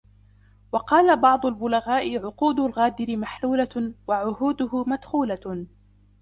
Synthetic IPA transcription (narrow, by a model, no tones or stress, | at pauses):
wɑqɑːlabɑʕd̪ˤʊlbʊlaɣaːʔɪʕʊquːd̪ʊlɣaːd̪ɪɾɪmaħluːlawaʕʊhuːd̪ʊhʊmad̪xuːla